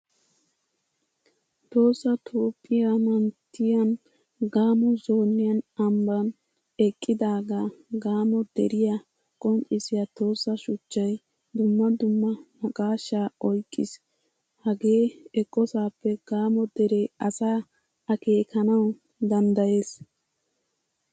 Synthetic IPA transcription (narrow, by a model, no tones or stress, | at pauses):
t̪o̞ːsːɐt̪ʰuːpʼːɪjɐmɐnt̪ʰːɪjɐn | ɡaːmɔzo̞ːnːɪjɐnɐmbɐn | ɛkʼːɪd̪aːɡaːɡaːmɔd̪ɛɾɪjɐ | kʼɔnt͡ʃʼɪsɪjat̪o̞ːsːɐʃʊt͡ʃːɐj | d̪ʊmːɐd̪ʊmːɐmɐkʼaːʃːaːɔjkʼːɪs | hɐɡe̞ːɛkʼːɔsaːpːɛɡ̥aːmɔd̪ɛɾɛjɐsaː | ɐke̞ːkɐnɐw | d̪ɐnd̪ɐje̞ːs